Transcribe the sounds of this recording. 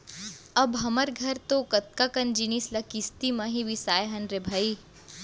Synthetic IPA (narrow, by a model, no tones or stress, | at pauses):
ɐbɦɐməɾɡʱɐɾt̪okɐt̪̚kakɐnd͡ʒinislɐkist̪imɐ̃ɦiʋisaːjeɦɐnɾebʱaːi